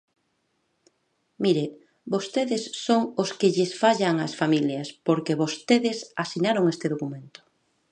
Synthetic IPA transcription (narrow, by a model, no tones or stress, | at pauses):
miɾe | bost̪eðɪsːoŋoskɪʎɪsfaʎaŋasfamiljɐspoɾkeβost̪eðɪsasinaɾoŋest̪ɪðokumẽnt̪ʊ̥